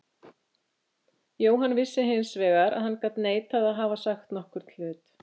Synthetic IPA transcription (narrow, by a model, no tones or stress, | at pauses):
joːwɦanvɪsːɪɦɪnsvɛːɣaɾa̰ðhankat̪neːjt̪ʰaðaðɦaːvasaxt̪nɔhkʏɾ̥t̪ʰl̥ʏːt̪